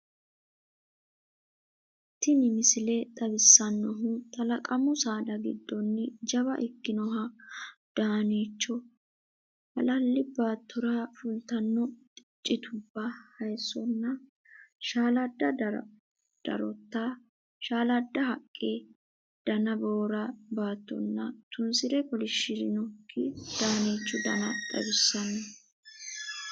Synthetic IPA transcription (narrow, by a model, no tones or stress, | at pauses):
t̪ːɪnɪmɪsɪlɛt̪ʼɐbɪsːɐnːɔɦʊt̪ʼɐlɐkʼɐmʊsaːd̪ɐɡɪ̰d̪ːɔnːɪd͡ʒɐβɐ̰ʔɪkːɪnɔɦɐd̪̥aːniːt͡ʃːɔ | hɐ̰lɐlːɪbaːt̪ːɔɾafʊlt̪ɐnːɔt̪ʼɪt͡ʃʼːɪt̪ʰʊbːɐhɐjsɔnːɐ | ʃaːlɐd̪ːɐ | d̪̥ɐ̰ɾɔt̪ːa | ʃaːlɐd̪ːɐɦɐkʼːeː | d̪̥ɐnɐboːɾɐbaːt̪ːɔ̰nːɐ̰t̪ʊnsɪɾɛkɔlɪʃːɪɾɪnɔkʰːɪd̪̥aːniːt͡ʃːɔd̪ɐ̰nɐt̪ʼɐ̰bɪsːɐnːɔ